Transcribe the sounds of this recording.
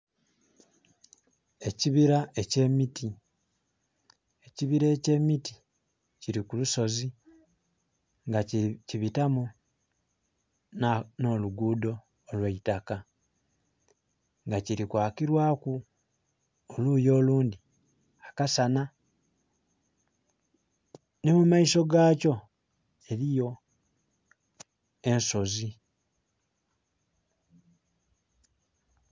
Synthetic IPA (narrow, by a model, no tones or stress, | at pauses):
e̞ciβiɾae̞ce̞miti | e̞ciβiɾe̞ːce̞miti̥ | ciɾikuluso̞zi | ŋɡaciβitamu | nno̞luɡuːdo̞ː | lweitaka | ŋɡaciɾikwaːkiɾwaːku | oluːjo̞ːluːndi | akasana | nemumaiso̞ɡaːco̞ | e̞ɾijo̞ | e̞nso̞zi